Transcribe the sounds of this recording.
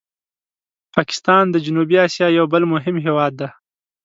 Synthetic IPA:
pɑkɪ̥st̪ɑnd̪əd͡ʒʊnubiɑsjɑjawbəlmʊɦɪmɦewɑd̪ːa

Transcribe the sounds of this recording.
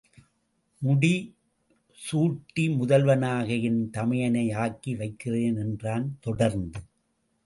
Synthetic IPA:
mʊɽi | suːʈːimʊðɐlʋɐnaːɣɐjɪnt̪ɐmɐjɐnɐɪaːkiʋɐɪkːɪreːnɛndraːnt̪ɔɽɐɾnd̪ɯ

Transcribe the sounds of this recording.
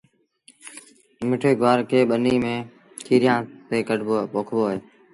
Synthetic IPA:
mɪʈʰeːɡʱaːɾkʰeːɓəniːmẽː | t̪ʰiːɾjãːt̪eːkəɖbopoːkʰʋoːɦeː

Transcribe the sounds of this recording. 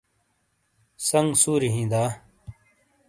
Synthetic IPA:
sɐŋɡsuːɾiɦĩːd̪aː

